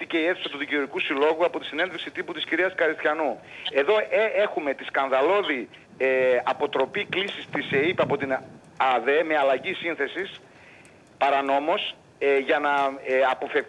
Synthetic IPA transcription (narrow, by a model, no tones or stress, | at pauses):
ice̞ie̞θu̥sɐt̪uðicioɾikusilo̞ɣuɐpo̞t̪i̥sine̞nðviksit̪iput̪isciɾiɐskɐɾist̪çɐnue̞ðo̞ʔee̞xume̞t̪iskɐnðɐlo̞ði | ɐpo̞t̪ɾo̞piklisist̪iseipɐpo̞t̪in | ɐðe̞me̞ɐlɐʝisinθe̞sis | pɐɾɐno̞mo̞s | ʝɐnɐɐpo̞fe